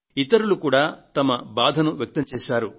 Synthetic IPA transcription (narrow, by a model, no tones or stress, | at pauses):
it̪ɐɾulukuːɽaːt̪ɐmɐbaːd̪ʱɐnuʋjɐk̚t̪ɐmt͡ʃɛːʃaːɾu